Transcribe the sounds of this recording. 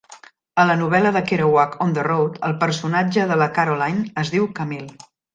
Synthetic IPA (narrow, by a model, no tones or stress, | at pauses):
ələnuβ̞ɛləðəkeɾəwakond̪ərowt̪əlˠpəɾsunad͡ʒəðələkaɾolajnəzðiwkəmil